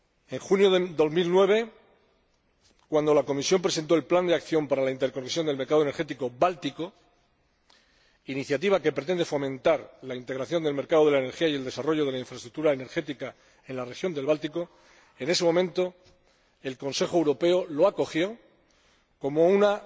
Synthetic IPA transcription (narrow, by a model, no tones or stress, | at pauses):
e̞ŋxunjod̪o̞zmilnwe̞β̞e̞ | kwand̪o̞lako̞misjo̞mpɾe̞se̞nt̪o̞e̞lpland̪eakθjo̞mpaɾalaint̪e̞ɾko̞neksjo̞nd̪e̞lme̞ɾkaðone̞ɾxe̞t̪̬iko̞βalt̪iko̞ | iniθjat̪̬iβ̞ake̞pɾet̪e̞nd̪e̞fo̞mẽ̞nt̪aɾlaint̪e̞ɣɾaθjo̞nd̪e̞lme̞ɾkaðoðe̞laene̞ɾxiaje̞ld̪e̞saro̞ʝoðe̞laiɱfɾest̪ɾuk̚t̪uɾaene̞ɾxe̞t̪ika | e̞nlare̞xjo̞nd̪elβalt̪iko̞ | e̞ne̞se̞mõ̞mẽ̞nt̪o̞ | e̞lko̞nse̞xowɾo̞pe̞olo̞ako̞xjo̞ | ko̞mo̞una